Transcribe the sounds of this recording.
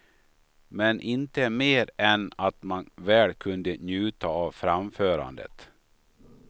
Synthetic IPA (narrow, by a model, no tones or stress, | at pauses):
mɛnʔɪnt̪əmeːɾɛnat̪manvɛːlkʰɵnd̪ənjʉ̟ːt̪aːvfɾamføːɾa̰nd̪ə̰t̪